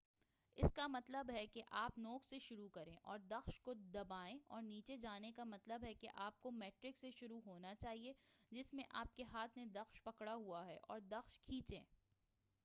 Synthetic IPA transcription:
ɪskamɐt̪ləbɦɛkeʔaːpnɔːkseʃʊɾukɐɾẽʔɔːɾd̪ɐxʃkod̪ɐbaːẽɔ̰ːɾniːt͡ʃed͡ʒaːnekamɐt̪ləbɦɛkḛʔaːp̚komɛːʈɾɪkseʃʊɾuɦoːnat͡ʃaːɦied͡ʒɪsmẽʔaːp̚keɦaːt̪ʰned̪ɐxʃpɐkɽaɦuaɦɛʔɔ̰ːɾd̪ɐxʃkʰiːt͡ʃḛ̃ː

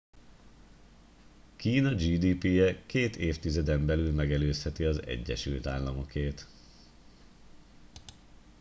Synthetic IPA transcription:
kiːnɒd͡ʒiːd̪iːpijɛkeːt̪eːft̪izɛd̪ɛmbɛlylmɛɡɛløːshɛt̪iɒzɛ̰ɟːɛ̰ʃy̰lt̪aːlːɒmo̞keːt̪

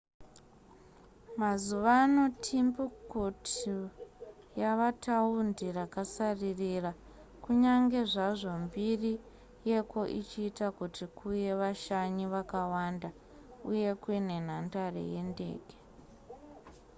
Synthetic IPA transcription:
mazuʋano̞tʰimbukoti | jaʋatʰaundirakasaririra | kuɲaŋɡe̞ʐaʐo̞mbiri | je̞ko̞ʔḭt͡ʃiːtakutikuje̞ʋaʃaɲiʋakawanda | uje̞kwine̞n̤andarḛje̞nde̞̰ːke̥

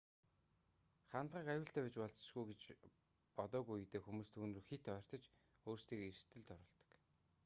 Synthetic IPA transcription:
χant̪̚ʁəːkajʊːɬt̪æːkʲet͡ɕpɔɮt͡s̆ʃɡujɡet͡ɕ | pɔt̪ɔːɣujut̪eːxumuːst̪ʰuːnrɘ̆xet̪œːr̥t̪ɞ̆t͡ɕ | oːrst̪ʰiːkerst̪ʰɘ̆ɮt̪ɔɾʊ̆ːɮt̪ɞ̥̆k

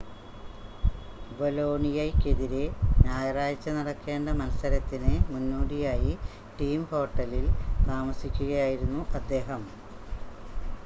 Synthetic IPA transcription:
bolo̞ːɳijɐjkːeðiɾenjaːjɐraːjɐt͡ɕːɐnɐɽɐkːe̞ːɳɖɐmɐlɐsɐɾɐt̪ːinɨmunːoːɽijaːji | ʈiːmho̞ːʈːɐlilt̪aːmɐsikʲːuɣɐjaːjiɾunːuʔɐd̪ːe̞ːɦɐm

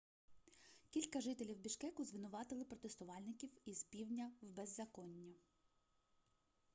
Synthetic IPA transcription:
kʲilʲkɐʒɪt̪elʲiwbʲiʃkɛkʊzʋɪnʊʋɑt̪ɪlˠɪpɾɔt̪est̪ʊʋɑlʲnɪkʲiwizpʲiwnʲɐwbezːɐkɔnʲːɐ

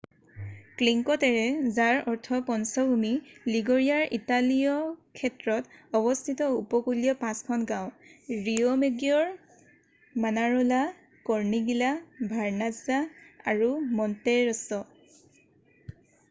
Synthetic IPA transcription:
kliŋkɔtɛɹɛzaɹɔɹtʰɔpɔnsɔbʱumiliɡoɹiaɹʔitalijɔkʰɛtɹɔtɔbɔstʰitɔupɔkuliɔpãskʰɔnɡãw̃ɹiɔmeɡjɔɹ | manaɹɔla | kɔɹniɡilabʱaɹnazaaɹumɔnteɹɔsɔ

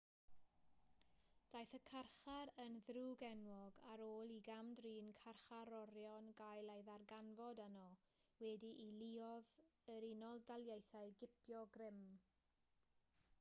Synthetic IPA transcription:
d̥ajθəkʰarχaɾənðruːɡɛnwɔɡaɾoːlˠiɡamdriːnkʰarχaɾɔɾjɔnɡajlˠejðarɡanvɔdənɔ | wɛdiʔiliɔðəɾinɔlˠdalˠjejθajɡɪpʰjɔɡrɪm

